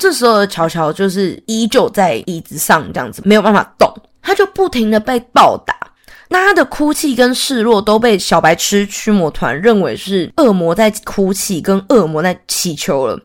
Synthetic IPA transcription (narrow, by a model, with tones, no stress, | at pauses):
ʈ͡ʂə˥˩ʂ̩˧˥ho˧˩d̪ə˩t͡ɕʰjɑ˧˥ʊt͡ɕʰjɑ˧˥ʊt͡ɕjo˥˧ʊʂ̬ɻ̩˥˩i˧˥t͡ɕjo˨˩ʊt͡sa˥˩ɪi˧˥t͡sɹ̩˨˧ʂɑ˥˧ŋʈ͡ʂɤ˥˧ɑ̰˥˨˩ŋd͡zɹ̩˨˩me˧˥ɪo˨˩pa˥˩fʰa̰˨˩t̪o̰˥˨˩ŋ | t̪ʰa˥t͡ɕjo˥˧ʊpu˥˩t̪ʰi˧˥ŋd̪ə˨pe˥˧ɪt̪ɑ˥˨˩ʊt̪a̰˨˩˦ | na˥˩t̪ʰa˥d̪ə˨kʰu˥t͡ɕʰi˥˩kə˦nʂɻ̩˥˧lwɔ˥˨˩t̪o˥ʊpe˥˩ɪɕjɑ˨˩ʊpa˧˥ɪʈ͡ʂʰɻ̩˥t͡ɕʰy˥mwɔ˧˥t̪ʰwa̰˧˦nɻə˥˩nwe˧˥ɪʂɻ̩˥˩ɤ˥˩mwɔ˧˥t͡sa˥˩ɪkʰu˥t͡ɕʰi˥˩kə˦˥nɤ˥˩mwɔ˧˦t͡sa˥˩ɪt͡ɕʰi˧˥t͡ɕʰjo˧˥ʊlə̰˨